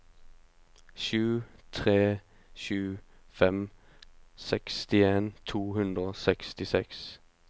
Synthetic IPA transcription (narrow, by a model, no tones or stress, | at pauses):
ʃʉːt̪ʰʁeː | ʃʉː | fɛm | sɛkst̪ɪeːnt̪ʰuːhʉnd̪ʁəoːsɛkst̪ɪsɛks